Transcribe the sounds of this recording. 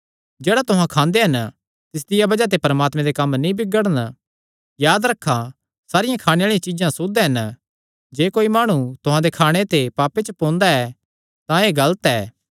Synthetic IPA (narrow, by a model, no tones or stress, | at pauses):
d͡ʒeːɽat̪ʊɦãkʰãːnd̪eɦɐn | t̪ɪs̬d̪ɪjabɐd͡ʒat̪̬epɐɾəmaːt̪mẽd̪ekɐmːnĩbɪɡəɽən | jaːd̪ɾɐkʰːa | saːɾɪjãkʰaːɽ̃ẽaːɭijãt͡ʃiːd͡ʒãsʊd̪eɦɐn | d͡ʒeːkoːimaːɽ̃ut̪ʊɦãd̪ekʰaːɽ̃et̪epaːpet͡ʃəpõːnd̪aɛː | t̪ãeːɡɐlət̪ɛː